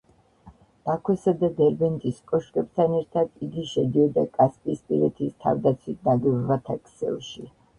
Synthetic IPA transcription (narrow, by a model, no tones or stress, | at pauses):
d̪̥akʰwɛsad̪ad̪ɛɾbɛnt̪ʼiskʼɔʃkʼɛb̚t̪ʰanɛɾt̪ʰad̪̥iɡiʃɛd̪iɔd̪akʼaspʼispʼiɾɛt̪ʰist̪ʰa̰vd̪at̪sʰwit̪naɡwɛbvat̪ʰakʰʼsɛ̰lˠʃi